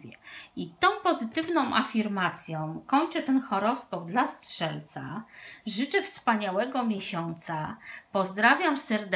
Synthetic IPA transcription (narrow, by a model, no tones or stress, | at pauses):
ɛit̪ɔ̃w̃pɔzɘt̪ɘvnɔ̃w̃ʔa̰fʲiɾmat̪sʲjɔ̃w̃kɔɲt͡ʂɛt̪ɛnxɔɾɔskɔb̚d̪lastʂɛlt̪saʐɘt͡ʂɛfspaɲawɛɡɔmʲjeɕɔnt̪sapɔzd̪ɾavʲjamsɛɾd̪